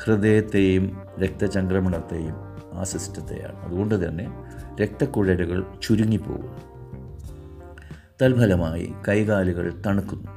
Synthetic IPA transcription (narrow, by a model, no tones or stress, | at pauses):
hrɨd̪eːjɐt̪ːe̞jum | ɾe̞k̚t̪ɐt͡ɕɐŋɡrɐmɐɳɐt̪ːe̞jumaːsistːɐt̪ːe̞̰ja̰ːɳɨɐðuɣo̞ɳɖɨt̪ɐnːe̞ɾe̞k̚t̪ɐkːuɻɐɾuɣɐɭt͡ɕuɾuŋːipːo̰ːɣṵn | t̪ɐlbʱɐlɐmaːjḭkɐjɣaːliɣɐ̰ɭt̪ɐɳukːunːu